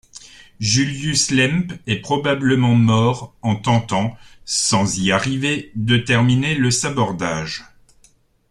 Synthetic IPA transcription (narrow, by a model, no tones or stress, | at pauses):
ʒyljyslɛmpɛpχɔbabləmɑ̃mɔʁɑ̃t̪ɑ̃t̪ɑ̃sɑ̃ziaʁived̪ət̪ɛʁmineləsabɔʁd̪aːʒ